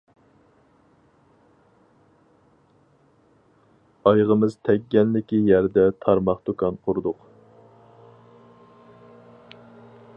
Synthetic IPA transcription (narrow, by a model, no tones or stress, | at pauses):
ɑjʁəmɨz̥t̪ʰɛɡʲːɛnlɪkʲijæɾd̪ɛt̪ʰɑɾmɑχt̪ukɑnqʰʊɾud̪ʊq